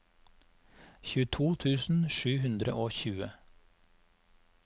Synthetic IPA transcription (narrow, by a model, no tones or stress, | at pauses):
çʉːt̪ʰuːt̪ʰʉːsn̩ʃʉːhʉnd̪ɾə̰ʔoːçʉːə